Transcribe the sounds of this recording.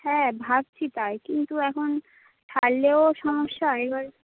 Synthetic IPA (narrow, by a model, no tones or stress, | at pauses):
hɛːbʱab̚t͡ɕʰit̪ajkint̪uɛkʰon | ʈʰalleoʃɔmoʃːaekbaɾ